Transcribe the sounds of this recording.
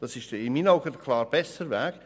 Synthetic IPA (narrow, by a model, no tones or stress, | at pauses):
d̥ɑsɪʃtɪnmiːnaʊɡəɾkʰlɑːɾb̥ɛsəɾvæːɡ̥